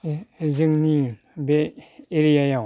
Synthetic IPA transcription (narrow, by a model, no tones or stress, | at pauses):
zɯŋni | beeɾiajaw